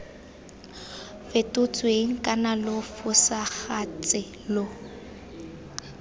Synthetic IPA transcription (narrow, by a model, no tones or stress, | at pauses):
fɪtʼʊt͡sʼweŋ̩kʼanalofʊsaɣat͡sʼɪ | lo